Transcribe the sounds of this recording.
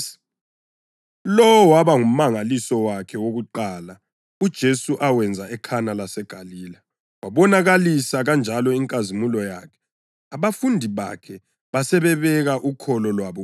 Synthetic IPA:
lɔwɔwaβaŋum̩maŋalisɔwakʰɛwoɣuǃaːla | ud̥ʒ̥ʱesuʔawɛnd͡zʱaɛkʰanalasɛɡ̥ʱaliːla | waβɔnaɣalisaɣand͡ʒʱalɔiŋkʼazimulɔjakʰɛ̥ | aβafundʱiβa̰kʰɛ | βasɛβɛβɛɣaʔukʰɔlɔlwaβɔ

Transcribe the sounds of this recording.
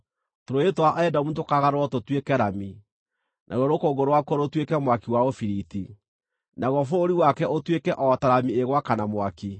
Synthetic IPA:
toɾoetowaʔɛdamutokaɣaɾwɔtotwekɛɾami | nʔa̰ɾwɔɾokoɡoɾowakoɾotwekɛmwakiwaofiɾiti | naɣwɔfoːɾiwakɛʔotwekɛʔɔtaɾamieɣwakanamwaki

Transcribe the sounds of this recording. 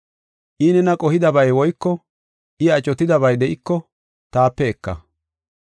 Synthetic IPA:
ʔɪnɛnɐkʼɔhɪd̪ɐbɐjwɔjkːɔ | ʔɪɐt͡ʃʼɔt̪ɪd̪ɐbɐjd̪ɛʔɪkːɔ | t̪aːpːɛɛkːɐ̰

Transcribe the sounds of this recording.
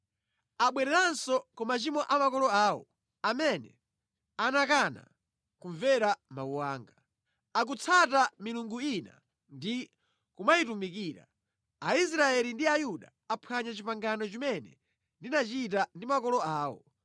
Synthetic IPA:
aɓwɛɾɛɾansɔkɔmat͡ʃimɔʔamakɔlɔaːwɔ̰ | amɛnɛ̰ | anakana̰ | kuɱvɛɾamauwaːŋɡa | ak̬ut͡sʰatamiluŋɡuina̰ | ndi | kumaitumikiːɾa̰ | ais̬ɾaɛlindiajuɗa | apʰaɲat͡ʃipaŋɡanɔt͡ʃimɛnɛ̰ | ndinat͡ʃitandimakɔlɔaːwɔ̰

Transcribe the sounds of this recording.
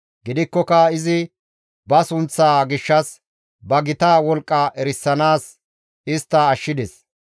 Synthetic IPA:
ɡɪd̪ɪkːɔkɐɪzɪ | bɐsʊnt͡sːaːɡɪʃːɐs | bɐɡɪt̪aːwɔlkʼːɐʔɛɾɪsːɐnaːs | ɪst̪ːɐːʃːɪd̪ɛs

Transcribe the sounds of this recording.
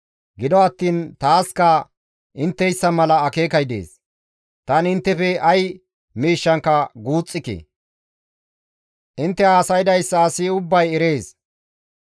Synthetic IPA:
ɡɪd̪ɔɐt̪ːiːnt̪aːskɐ | ʔɪnt̪ːɛjsːɐmɐlɐːke̞ːkɐjd̪e̞̰ːs | t̪ɐnɪnt̪ːɛfɛʔɐj | miːʃːɐŋkːɐɡuːt͡sʼːɪkḛ | ʔɪnt̪ːɛaːsɐjd̪ɐjsːɐːsɪʊbːɐjɛɾe̞ːs

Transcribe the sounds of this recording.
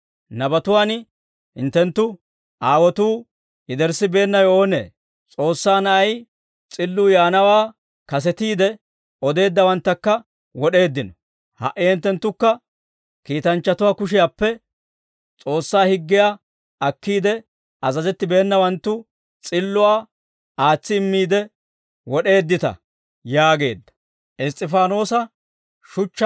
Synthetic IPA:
nɐbɐt̪ʊwaːn | hɪ̰nt̪ːɛnt̪ːʊ | ʔaːwɔt̪uː | ɪd̪ɛɾsɪbe̞ːnːɐjo̞ːnḛː | t͡sʼo̞ːsːaːnɐʔɐj | t͡sʼɪlːʊːjaːnɐwaː | kɐs̬ɛt̪iːd̪ɛ | ɔd̪e̞ːd̪ːɐwɐnt̪ːɐkːɐ | wɔɗe̞ːd̪ːɪnɔ | hɐ̰ʔɪhɪnt̪ːɛnt̪ːʊkːɐ | kiːt̪ɐnt͡ʃːɐt̪ʊwaːkʊʃ̬ɪjaːpːɛ | t͡sʼo̞ːsːaːhɪɡːɪjaː | ɐkːiːd̪ɛ | ɐzɐzɛt̪ːɪbe̞ːnːɐwɐnt̪ːʊ | t͡sʼɪlːʊwaː | aːt͡sːɪːmːiːd̪ɛ | wɔɗe̞ːd̪ːɪt̪ɐ̰ | jaːɡe̞̰ːd̪ːɐ̥ | ʔɪst̪ʼːɪfaːno̞ːsɐ | ʃʊt͡ʃː

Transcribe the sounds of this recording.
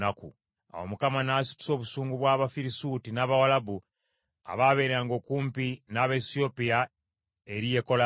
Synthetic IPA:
nakṵ | a̰wo̰mukamanaːsi̥tu̥so̞ːβusuːŋɡuβwaːβafiɾisuːtinaːβawalabu | a̰βaβe̞ːɾeaːŋɡo̞kuːmpinaːβesio̞pia | eɾije̞ko̞la

